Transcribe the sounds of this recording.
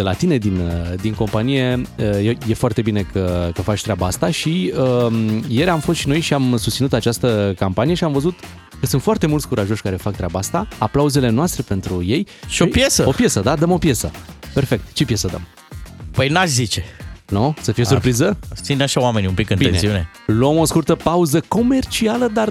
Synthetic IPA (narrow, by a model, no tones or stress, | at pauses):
d̪̥e̞lat̪ine̞d̪ind̪iŋko̞mpanije̞əjeje̞foart̪e̞bine̞kʰəkəfat͡ʃʲt̪ɾʲeabaast̪aʃiəmje̞ɾamfost̪ʃinojʃiamsust̪sinut̪at͡ʃast̪əkampanije̞ʃiamvəzut̪ | kəsunt̪foart̪e̞mult̪sʲkuɾaʒo̞ʃʲkaɾe̞fakt̪ɾʲabaast̪aaplauze̞le̞noast̪ɾe̞pe̞nt̪ɾujejʃiojpjesəo̞pje̞səd̪ad̪əmo̞pje̞sə̰pe̞rfe̞k̚t̪t͡ʃe̞pje̞səd̪ə̰m | pəjnaʃzit͡ʃenusəfijesurpɾizət̪sinaʃaowame̞niumpikɨnbienssiune̞ | loomo̞skurt̪əpauzəko̞me̞rt͡ʃialəd̪ar